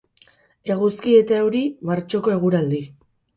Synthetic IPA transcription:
e̞ɣ̞uskie̞t̪aewɾimaɾt͡ʃo̞ko̞e̞ɣ̞uɾald̪i

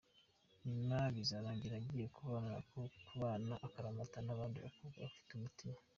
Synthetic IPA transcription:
nimaβizaɾaːɲɟiɾaɟiːje̞kʰuβanaa̰kokuβaːnaʔakaɾamatanaβaːndiβa̰kuɡa̰βafi̥tumutima

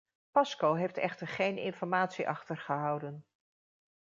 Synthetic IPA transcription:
pɑskowɦejftɛ̰χtəɹχejnɪ̰nfɔɹmaːtsiʔɑχtəɹχəɦɑwdən

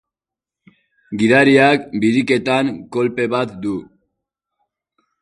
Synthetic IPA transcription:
ɡiðaɾiakbiɾike̞t̪aŋkolpe̞βat̪̚d̪u

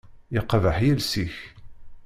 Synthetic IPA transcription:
ɪqːðəħjəlsiç

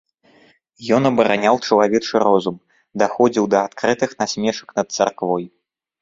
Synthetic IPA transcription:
jɔnɐbɐɾanʲawt͡ʂɐlˠavʲɛt͡ʂɨrɔzum | d̪axɔd͡zʲiwd̪ɐat̪kɾɨt̪ɨxnasʲmʲɛʂɐ̥knɐt̪̚sa̰rkvɔj

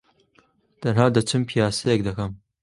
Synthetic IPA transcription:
d̥ɐraːdɐt͡ʃʷʰɨmpʰijaːsɐjeɡ̚dɐxɐm

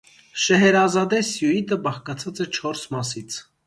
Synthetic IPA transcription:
ʃɛɦɛɾɑzɑd̪ɛsjuit̪əbɑχkɑt͡sʰɑt͡sɛt͡ʃʰɔɾsmɑsit͡sʰ

